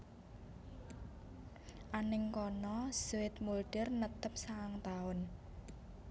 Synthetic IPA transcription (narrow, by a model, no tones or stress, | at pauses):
ʔanɪŋkɔnɔsuwɪt̪̚mulɖɪrnət̪əp̚saŋt̪aʊn